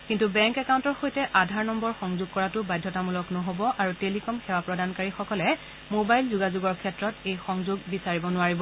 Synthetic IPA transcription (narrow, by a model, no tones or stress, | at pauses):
kintubɛŋkɛkawntɔɹxojtɛʔadʱaɹnɔmbɔɹxɔŋzʊɡ̚kɔɹatʊbajdʱːɔtamulɔknɔɦobɔʔaɹutelikɔmxɛwapɹɔdankaɹixɔkɔlɛ | mobajlzuɡazuɡɔɹkʰɛtɹɔtejxɔŋzʊɡ̚bisaɹibɔnʊaɹibɔ